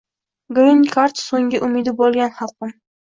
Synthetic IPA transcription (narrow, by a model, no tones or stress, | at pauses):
ɡɾinkʰaɾt̪soŋɡʲɪʔʊmɪd̪ɪbolˠɡʲanχɑlˠqɨm